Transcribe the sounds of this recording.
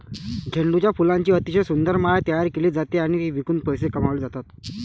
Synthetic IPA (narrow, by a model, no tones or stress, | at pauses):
d͡ʑʱeɳɖut͡ɕjafulãɲt͡ɕiːət̪iɕəjsund̪əɾmaɭajt̪əjaɾkeliːd͡zat̪eaɽ̃itiʋikund̪̚pəjsekəmaʋliːd͡zat̪at̪